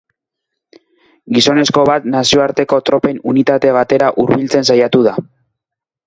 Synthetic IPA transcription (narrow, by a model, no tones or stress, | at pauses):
ɡiso̞ne̞sko̞βat̪nasio̞aɾt̪e̞ko̞t̪ɾo̞pe̞nunit̪at̪e̞βat̪e̞ɾaʔuɾβilt͡se̞nsajat̪uða